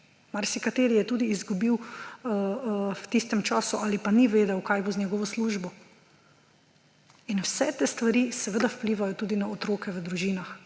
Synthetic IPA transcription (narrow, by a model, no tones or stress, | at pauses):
maɾsikat̪eːɾijɛt̪uːd̪iːzɡubiw | wt̪ist̪ɛmt͡ʃaːsuʔalipaniʋeːd̪ɛwkajboznɛɡɔʋɔsluːʒbɔ | inwsɛt̪eːst̪ʋaɾisɛʋəd̪awpliːʋajɔt̪uːd̪inaot̪ɾoːkɛʋəd̪ɾuʒiːnax